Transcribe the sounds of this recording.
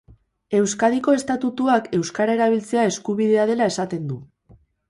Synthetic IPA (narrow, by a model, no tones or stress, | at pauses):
e̞wskaðiko̞e̞st̪at̪ut̪uake̞wskaɾae̞ɾaβ̞ilt͡se̞ae̞skuβiðe̞að̞e̞lae̞sat̪e̞nd̪u